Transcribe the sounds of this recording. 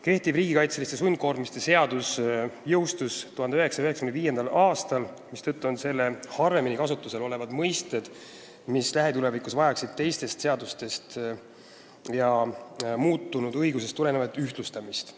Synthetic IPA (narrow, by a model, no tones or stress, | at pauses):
ke̞ht̪ivriːɡikɑjt̪selist̪es̬unʲko̞ːɾmist̪e̞se̞ɑd̪̥usjɤwst̪ust̪uhɑnd̪eøɦe̞ksɑjøɦeksɑ̥kyneviːje̞nd̪ɑlɑːst̪ɑl | mist̪ɤt̪ːˑuo̞nse̞lːe̞hɑreminikɑsut̪ːˑuse̞lo̞le̞vɑd̪̥mɤjst̪e̞d̪̥ | mislæɦe̞t̪ule̞vikusvɑjɑksid̪̥̚t̪e̞jst̪e̞st̪se̞ɑd̪ust̪e̞st̪ | jɑmuːt̪ːˑunud̪̥ɤ̞jɡus̬e̞st̪ːule̞nevɑd̪ˑyht̪lust̪ɑmist̪